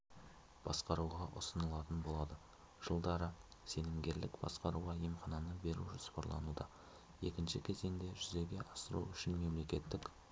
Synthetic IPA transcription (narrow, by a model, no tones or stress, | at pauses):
b̥ɑsqɑɾuʁɑʔʊ̰sənəlˠɑt̪ənbo̞lˠɑd̪ə | ʒ̥əlˠd̪ɑɾəse̞nɪmɡʲe̞ɾlɪkbɑ̰sqɑɾuʁɑjemχɑnɑnəbe̞ɾṵʒospɑɾlˠɑ̰nud̪ɑ̰ | e̞̰kʲɪnʃɪkʲʰe̞ze̞ŋd̪e̞ʒʏze̞ɡʲe̞ʔɑsəɾṵʏʃɪnme̞mle̞kʲe̞t̪ːɪk